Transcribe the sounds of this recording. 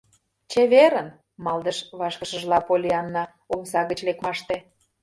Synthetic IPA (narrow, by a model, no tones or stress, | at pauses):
t͡ɕeβeɾən | mɑld̪ə̆ʃβɑʃkəʃəʒlɑpolʲiɑnːɑ | omsɑɣət͡ɕlekmɑʃt̪e